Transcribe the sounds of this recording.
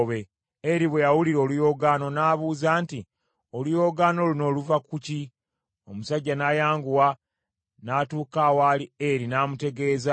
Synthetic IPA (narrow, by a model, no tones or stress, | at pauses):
βe̞ | eɾiβwejawuliɾo̞ːlujo̞ɡaːno̞naːβuːzaːnti | o̞lujo̞ːɡaːno̞luno̞ːluvakuci | o̞musaɟːanaːjaːŋɡuwa | naːtuːkaːwaːlieɾinaːmute̞ɡe̞ːza